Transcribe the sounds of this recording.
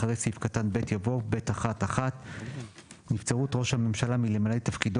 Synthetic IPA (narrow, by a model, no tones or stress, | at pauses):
aʁejsifkatanbe̞tjavo̞be̞taχataχat | nift͡seʁutʁo̞ʃhame̞mʃalamilemalejtafkid